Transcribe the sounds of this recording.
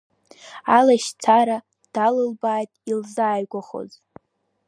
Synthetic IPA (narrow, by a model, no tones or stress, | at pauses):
alaʃt͡sʰaɾa | d̥alɨlbaːjtʼilzaːjɡʷaχo̰z